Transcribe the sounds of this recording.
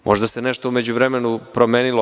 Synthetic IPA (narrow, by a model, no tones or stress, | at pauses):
mʔoʒd̪aseneʃt̪oume̞d͡ʑuʋɾemenupɾomeːnilo